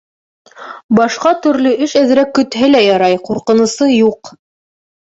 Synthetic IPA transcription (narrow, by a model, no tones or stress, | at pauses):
bɑʃqɑt̪ɵ̆ɾlɵʔɘʃæðɘ̆ɾækːɵ̆t̪hɘlæjɑɾɑjquɾqɤ̆nɤ̆sɤjuq